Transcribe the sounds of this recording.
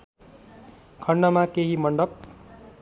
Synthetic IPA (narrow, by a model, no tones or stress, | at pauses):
kʰʌɳɖʌmakeɦimʌɳɖʌb̚